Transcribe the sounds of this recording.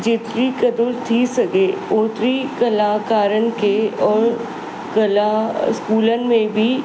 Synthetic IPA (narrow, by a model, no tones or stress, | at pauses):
d͡ʒɪt̪ɾikɐd̪ʊlt̪ʰisɐkeʊːt̪ɾikəlaːkaːɾənkeɔːɾ | kɐlaskuːlənmẽbʱi